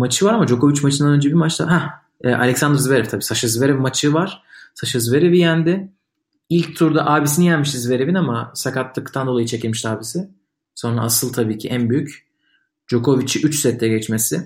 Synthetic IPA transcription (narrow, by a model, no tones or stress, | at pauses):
mat͡ʃʰɯvaɾamad͡ʒo̞ko̞vit͡ʃmat͡ʃʰɯnd̪anø̞nd͡ʒɛbimat͡ʃt̪ʰa̰ɦɛ | ɛːʔa̰lʲɛksand̪ɾzveɾɛft̪ʰabiːsaʃɯzveɾɛvmat͡ʃʰɯvaɾ̥saʃɯzve̞ɾivijænd̪ɪ | ilʲc̚t̪ʰuɾd̪aʔaːbisinijælʲmiʃizve̞ɾevinamasakat̪lːˠɯkt̪ʰand̪o̞lˠajɯt͡ʃʰecilʲmiʃt̪aːbisɪ | so̞nɾa̰ːsɯlˠt̪ʰabiːcʰiʔænbyjyc | d͡ʒo̞kʰo̞vit͡ʃʰiʔyt͡ʃsɛt̪ʰːɛɟɛt͡ʃmesɪ